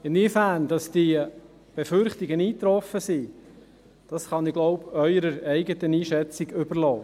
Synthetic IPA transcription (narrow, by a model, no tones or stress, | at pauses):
ɪnifæːnd̥ɑsd̥i | b̥efʏɾχtiɡəniːt̪ɾɔfəsi | d̥ɑsχɑnɪɡ̥lɔʊbœʏɾəɾɛɪɡət̪əniːʃɛt͡siɡʏb̥əɾlɔː